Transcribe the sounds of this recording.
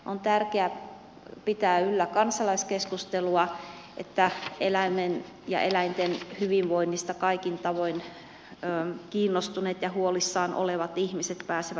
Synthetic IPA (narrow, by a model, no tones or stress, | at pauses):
ʔont̪ærkeæ | pit̪æːylːækɑnsɑlɑiskeskust̪eluɑ | ʔḛt̪ːæelæimen | jɑ̰ʔelæint̪enhyʋiʋʋoinːist̪ɑkɑikint̪ɑʋoinː | kiːnːost̪uneːt̪jɑhuolisːɑːnʔo̰leʋɑt̪ihmiset̪pæːseʋæ